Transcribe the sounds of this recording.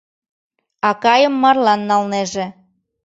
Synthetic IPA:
ɑkɑjəmːɑrlɑnːɑlneʒe

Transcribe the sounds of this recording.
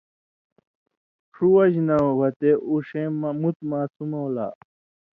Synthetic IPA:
ʂʰuwɐʑnɐwɐt̪eʔuʂẽːmmut̪maːsumowla̰ː

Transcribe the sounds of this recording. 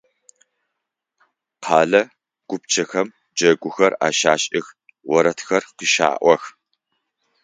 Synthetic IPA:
qʰɑːɮɐ | ɡ̥ʷʊp̚t͡ʃʰɐxɐm | d͡ʒɐɡʷʊxɐraːʃaːɕʼɪx | wɔɾɐtxɐrqəʃa̰ːʔʷɔx

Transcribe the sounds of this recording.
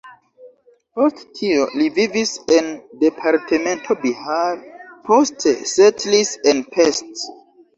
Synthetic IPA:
posttʰiolivivisendepʰaɾtʰemẽntʰobihaɾpʰostʰesetlisenpʰest

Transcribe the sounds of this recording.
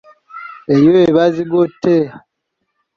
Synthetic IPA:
ejoeβaziɡotːea

